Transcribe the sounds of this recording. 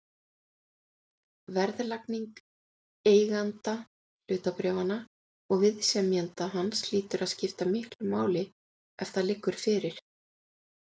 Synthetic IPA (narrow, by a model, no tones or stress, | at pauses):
vɛɾðlakniŋk | eːjɣant̪a | l̥ʏːt̪apɾɛːvana | ɔɣvɪðsɛmjant̪aɦansliːt̪ʏɾaðscɪft̪amɪhklʏmaːwlɪ | ɛft̪alɪkːʏɾ̥fɪːɾɪɾ̥